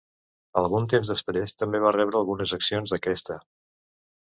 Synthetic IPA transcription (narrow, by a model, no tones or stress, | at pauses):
əlˠɣunt̪emzðəspɾest̪əmbeβ̞arɛβɾəlˠɣunəzəksionzðəkɛst̪ə